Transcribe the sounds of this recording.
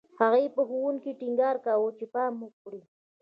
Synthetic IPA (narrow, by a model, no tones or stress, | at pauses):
hɑɣejpaxʊwʊŋkɪʈɪŋɡaɾkawʊt͡ʃɪpaːmʊk̚ʼɽi